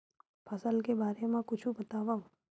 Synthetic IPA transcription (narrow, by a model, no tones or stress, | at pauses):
pʰɐsəlkebaːɾemãkʊt͡ʃʰũbɐt̪aːʋa